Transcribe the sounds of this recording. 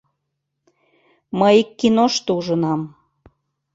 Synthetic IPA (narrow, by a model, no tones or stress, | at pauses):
məjikːinoʃt̪ouʒənɑm